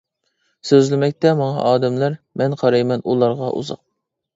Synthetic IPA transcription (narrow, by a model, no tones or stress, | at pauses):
søzlɪmɛkʲt̪ɛmɑŋɑ̰ʔɑːd̪ɛmlæɾmɛnqʰɑɾɑjmɛnulˠɑɾʁɑʔṵzɑ̰q̚